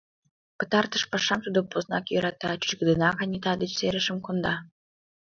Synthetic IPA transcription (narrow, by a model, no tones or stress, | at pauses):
pə̥̆t̪ɑrt̪ə̆ʃpɑʃɑmt̪ud̪opoznɑkjøɾɑt̪ɑt͡ɕy̥t͡ɕɡə̆d̪ənɑɣɑnʲet̪ɑd̪et͡ɕseɾə̆ʃə̆mkond̪ɑ